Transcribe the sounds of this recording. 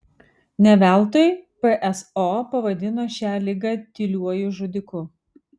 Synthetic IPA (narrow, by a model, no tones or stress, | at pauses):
nʲɛʋʲæˑlˠˑt̪oːjpɛʔɛsopɐʋɐd̪ʲɪnoːʃʲæːlʲɪɡɑːt̪ʲɪlʲuɔjʊʒʊd̪ʲɪkʊ